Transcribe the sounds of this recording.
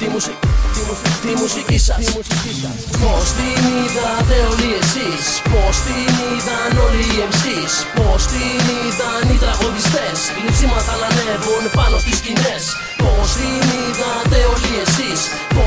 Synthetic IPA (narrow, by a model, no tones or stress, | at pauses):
t̪imusis | post̪iniðɐðeoliesispost̪iniðɐnoliefsispost̪iniðɐniðɐɣonist̪es | ɾisimɐt̪ɐlɐnevonpɐnost̪iscines | post̪iniðaðeoliesis | p